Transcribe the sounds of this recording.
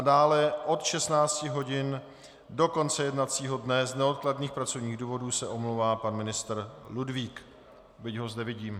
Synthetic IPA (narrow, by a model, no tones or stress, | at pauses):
adaːlɛʔo̞t̪ʃɛsnaːt͡scɪɦo̞ɟɪn | do̞ko̞nt͡sɛjɛdnat͡siːɦo̞dnɛznɛot̪kladniːxpɾat͡so̞vɲiːɣduːvo̞duːsɛʔo̞mlowvaːpanmɪnɪst̪ɾ̩ludviːk | bɪcɦo̞zdɛvɪɟiːm